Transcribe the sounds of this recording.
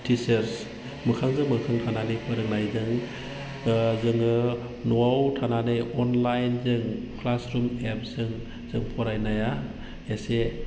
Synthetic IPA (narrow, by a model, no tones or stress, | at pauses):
tʰiseɾs | mɯkʰaŋzɯŋmɯkʰaŋtʰananɯjpʰɯɾɯŋnajzɯŋ | zɯŋɯ | nuawtʰananɯjɔnlajnzɯŋ | pʰlasɾumep̚z̥ɯŋ | z̥ɯŋpʰɔɾajnaja | ese